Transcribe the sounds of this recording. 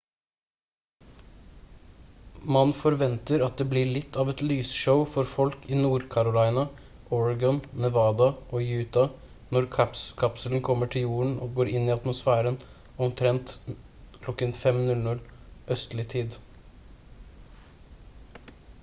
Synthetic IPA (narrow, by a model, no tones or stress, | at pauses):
mɑnfɔɾʋɛnt̪əɾɑt̪̚d̪eːbliːɭɪt̪ʰːɑːʋɛt̪lyːsʃəʊfɔɾfɔlkiːnuːɾkʰɑɾʊlɑɪnɑ | ʔɔɹɑɡɑnnɛʋɑːd̪ɑʔoːjʉːt̪ɑ | nɔɾkʰɑpskʰɑpsəln̩kʰɔmːəʈʰɪjuːəɳ̩oːɡoːɾɪnːɪːɑt̪mʊsfæːɾən | ɔmt̪ʰɾɛnt̪ | kʰlɔkːənfɛmnʉlnʉlʔœst̪lɪt̪ʰiːd̪